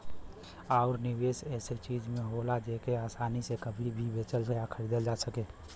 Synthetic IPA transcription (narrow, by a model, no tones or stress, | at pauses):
aːʊɾnɪweːsɛːset͡ʃiːd͡ʒmẽɦoːlad͡ʒeːkeaːsaːnisekəbʱibʱibʱeːt͡ʃəlsjakʰəɾid̪əld͡ʒaːsəkeː